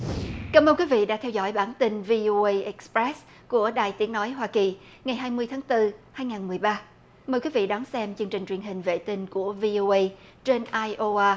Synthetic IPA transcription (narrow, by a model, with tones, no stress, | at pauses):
kaː˧˩məː˧nkwi˨˦vḭ˧˨ɗa̰ː˧˥t̪ʰɛ˧wzɔ̰˧˩jɓaː˧˩nt̪i˧nvi˧ʔo˧ʔə˧jʔɛ˦˥k̚spɹɛ˦˥s | ku˧˩əɗa̰ː˨˩jt̪i˨˦əŋnɔ˨˦jɦwaː˧ki˨˩ | ŋa˨˩jɦaː˧jmɨ˧əjt̪ʰaː˨˦ŋt̪ɨ˧haː˧jŋaː˨˩nmɨ˨˩əjɓaː˧ | məː˨˩jkwi˨˦vḭ˧˨ɗɔ˨˦nsɛ˧mt͡ɕɨ˧əŋt͡ɕï˨˩ŋ̟t͡ɕwi˨˩nɦhï˨˩ŋ̟vḛ˧˨t̪i˧ŋ̟ku˧˩əvi˧ʔo˧ʔə˧j | t͡ɕe˧nʔaː˧jʔo˧ʔaː˧